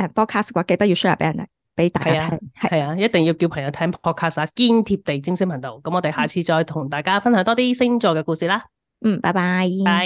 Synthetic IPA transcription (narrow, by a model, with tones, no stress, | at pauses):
ɛː˧˩pʰɔː˥kʰaː˥skwaː˧˥ke˧jt̪ɐ˥k̚i˧wsɵ˥jɐ̰˨˩pe˨˥jɐ˨˩nd̪ḛ˨˩ | pe˨˥jt̪aː˨kaːt̪ʰːɛ˥hɐ˨˩hɐ˨jaː˧jɐ˥t̚t̪ɪ˨ŋji˧wki˧wpʰɐ˨˩ŋjɐ˧˥wt̪ʰɛː˥ŋpʰɔː˥t̚kʰaː˥saː˨˧kiː˥nt̪ʰiː˧p̚t̪e˨jt͡siː˥msɪ˥pʰɐ˨˩ŋt̪o̰˨wkɐ˨˥mɔː˨˧t̪e˨jhaː˨˩t͡sʰiː˧t͡ʃɔː˧jt̪ʰʊ˨˩ŋt̪aː˨jkaː˥fɐ˥nhœː˨˥ŋt̪ɔː˥iː˥sɪ˥ŋt͡ʃɔː˨˧kɛː˧kuː˧siː˨˩laː˥ | m̩˥˨˩paː˥˩baː˧j